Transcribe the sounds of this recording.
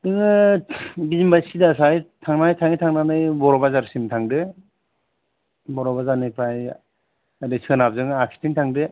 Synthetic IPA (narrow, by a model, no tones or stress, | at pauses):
dɯŋɯ | bizimbajsidasajtʰaŋnajtʰaŋitʰaŋnanɯjbɔɾɔbazaɾsintʰaŋdɯ | bɔɾɔbazanɯjpʰɾaj | adɯsikanab̚zɯŋaksi̥tʰiŋtʰaŋdɯ